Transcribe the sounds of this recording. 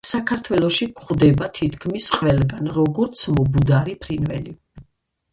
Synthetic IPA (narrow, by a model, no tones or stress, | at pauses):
sakʰaɾt̪ʰwɛlˠɔʃikʰχd̪ɛbat̪ʰit̪ʰkʰmisqʼwɛlˠɡanɾɔɡɔɾt̪sʰmɔbud̪aɾipʰɾinvɛli